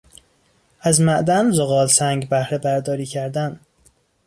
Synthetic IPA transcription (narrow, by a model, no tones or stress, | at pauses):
æzmæʔd̪ænzoɣɒːlsæŋɡbæhɾebæɾd̪ɒːɾiːcʰæɾd̪æn